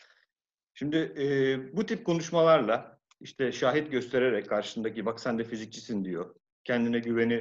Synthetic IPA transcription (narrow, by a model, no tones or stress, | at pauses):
ʃimd̪ɪːbut̪ʰip̚kʰo̞nuʃmalˠaɾlˠa | iʃt̪ʰɛʃaːɦit̪ɟø̞st̪ʰe̞ɾe̞ɾɛckʰːaɾʃɯ̥sɯnd̪acibaksænd̪ɛfizic̚t͡ʃʰisind̪ijo̞ | cʰɛnd̪inɛɟyve̞ni